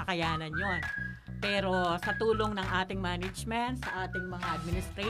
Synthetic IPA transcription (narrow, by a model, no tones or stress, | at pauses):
ɐkɐjaːnɐnjon | pɛːɾo̞sɐt̪uːloŋnɐŋʔaːt̪ɪŋmaːnɐd͡ʒmɛnt̪̚sɐʔaːt̪ɪŋmɐŋaʔɐd̪̚mɪnɪst̪ɾɛ